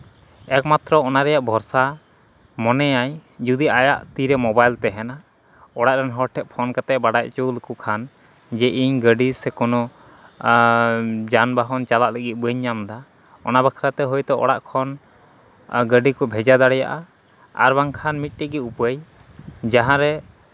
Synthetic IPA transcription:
ɛkmat̪ɾɔɔnaɾɛjaʔbʱɔɾsa | mɔnɛjajd͡ʒud̪iʔaja̰ʔt̪iɾɛmɔbajlt̪ɛɦɛna | ɔɽaʔɾɛnɦɔʈʰɛʔ̪̚pʰɔnkat̪ɛʔbaɖaʔt͡ʃulkukʰan | d͡ʒɛʔiɲɡəɖisɛkɔnɔ | d͡ʒanbaɦɔnt͡ʃalaʔləɡit̪̚bəɲːamd̪a | ɔ̰nabakʰɾat̪ɛɦɔjt̪ɛʔɔ̰ɽaʔkʰɔn | ɡəɖikɔbʱɛd͡ʒad̪aɽɛja̰ʔa̰ | a̰ɾbaŋkʰanmit̪̚ˀʈɛɡiupəj | d͡ʒaɦãɾɛ

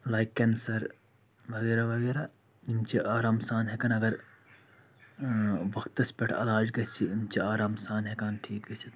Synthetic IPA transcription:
laːjkːɐnsɐɾ | bʱɐɡeːɾabʱɐɡeːɾa | imt͡ʃʰiʔaːɾaːmsaːnɦekɐnɐɡɐɾ | ʋɐkt̪ɐspʲeʈʰɐ̰laːd͡ʒɡɐsʰiimt͡ʃʰiaːɾaːmsaːnɦekaːnʈʰiːk̚ɡɐsʰit̪

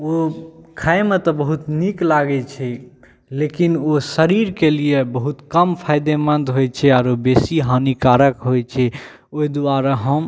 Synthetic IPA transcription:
okʰajmet̪ɔbəɦut̪niklaɡɛt͡ʃʰɛ | lekinosəɾiɾkeliebəɦut̪kəmpʰajd̪emənd̪ɦojt͡ʃʰɛaɾobesiɦanikaɾəkɦojt͡ʃʰɛ | oid̪aɾaɦəm

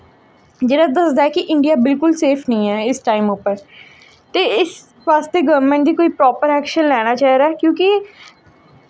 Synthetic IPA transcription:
d͡ʒeːɾãd̪əsd̪aːɛːkɪʔɪ̃ɳɖijaːbɪlkʊlseːpʰnəĩːɛːɪsʈaːɪmʊpəɾ | t̪eːɪs | ʋaːst̪eːɡəɾmə̃ɳʈd̪iːkoːiːpɾɔːpəɾɛːkʃənlɛːɽ̃aːt͡ʃaːɦiɾaːɛkjõːki

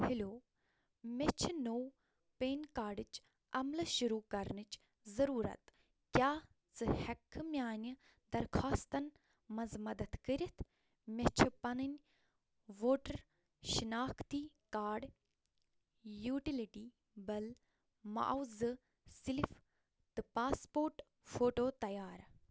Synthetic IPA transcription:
hiloː | mʲet͡ʃʰnoː | peːnkaːɾɖɨt͡ʃ | ɐmlɨʃuɾuːkɐɾnɨt͡ʃ | zɐɾuːɾɐ̰t̪ | kʲjaː | t͡sɨhɐkʰmʲjaːnʲi | d̪ɐɾkʰaːst̪ɐn | mɐnzmɐd̪ɐt̪kəɾʲit̪ʰ | mʲɐt͡ʃʰipɐnɨnʲ | ʋoːʈɐɾ | ʃinaːkʰt̪iː | kaːɖ | juːʈiliʈiː | bɐl | ma̰ʔwzɨ | silif | t̪ɨpaːspoːɾʈ | foːʈoːt̪ɐjaːɾ

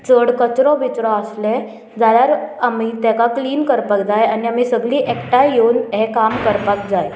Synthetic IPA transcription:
t͡səɽkət͡ɕɾɔ̃ʋʱit͡ɕɾɔ̃əsle | d͡zaɭjaɾamit̪akakliːnkəɾpak̚d͡zajaniamisəɡliːʔekʈajonɦekamkəɾpak̚d͡zaj

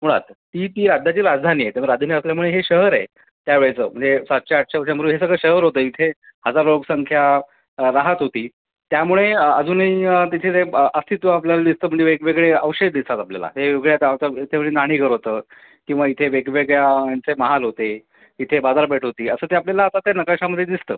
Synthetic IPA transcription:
m̤uɽ̃a̰t̪t̪iːt̪iːɾad͡z̪ʱjat͡ɕiːɾad͡zd̪ʱaniːajt̪eəɾad͡zd̪ʱaniːəsljamuɭeɦeɕəɦəɾaj | t̪jaʋeɭet͡sə̰ːm̤əɳd͡zesat̪ːt͡ɕaaʈ̚t͡ɕaəʋɕjaməɾuːɦesəɡɭəɕəɦəɾɦot̪əːit̪ʰe | həd͡zaɾloksəŋkʰja | ɾaɦət̪ɦot̪iː | t̪jamuɭeəd͡zuːnəit̪it̪ʰet̪eʔəst̪ʰit̪ʋə̃ap̬ljalad̪ist̪əːm̤əɳd͡zeʋeɡʋeɡɭeəʋɕed̪̚d̪ist̪at̪aplja̰la̰ɦeʋeɡɭjat̪aʋt̪əit̪ʰeəɭenaɽ̃iɡəɾɦot̪əː | kĩw̃ʋait̪ʰeʋeɡʋeɡɭjajant͡seməɦalɦot̪e | it̪ʰebad͡zaɾpeʈʰɦot̪iːəsəːt̪eapljalaːt̪at̪janəkaɕaməd̪ʱːjed̪ist̪ə̰ː

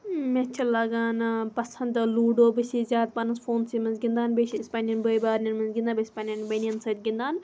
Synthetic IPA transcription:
met͡ʃʰɐlɐɡaːnpɐsɐ̃nd̪ɨluːɖoːbɐsizʲaːt̪̚pɐnɐsfoːnsimɐnzɡʲind̪aːnbeʃiispaːnʲjɐnbəjbaːɾnʲɐnmɐnzɡʲind̪aːbɐsʲpaːnʲɐnbɐniɐnsɐt̪ʲɡind̪aːn

